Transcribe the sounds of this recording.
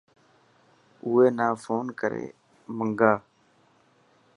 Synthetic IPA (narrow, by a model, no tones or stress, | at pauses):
ʊːeːnaːfʰoːnkəɾḛː | məŋɡaː